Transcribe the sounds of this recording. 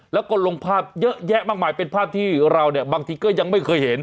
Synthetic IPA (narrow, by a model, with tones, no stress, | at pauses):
lɛ˦˥wko˨˩t̪̚lo˧ŋpʰaː˥˩p̚jɤ˦˥ʔjɛ˦˥ʔmaː˥˩k̚maː˧˩jpe˧npʰaː˥˩p̚t̪ʰiː˥˩ɾa˧wni˥˩ɐbaː˧ŋt̪ʰiː˧kɔː˥˩ja˧ŋma˥˩jkʰɤː˧jhe˩˦n